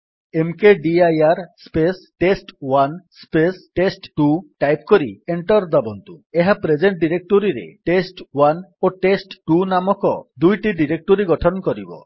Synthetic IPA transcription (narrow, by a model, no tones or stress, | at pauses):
emkeɖiajaɾspesʈesʈwanspesʈesʈʈuʈajpkoɾieɳʈɔɾd̪abɔnt̪ueɦapɾed͡ʒeɳʈɖiɾek̚ʈoɾiɾḛʈesʈwanoʈesʈʈunamɔkɔd̪ujʈiɖiɾek̚ʈoɾiɡɔʈʰɔnkɔɾibɔ̰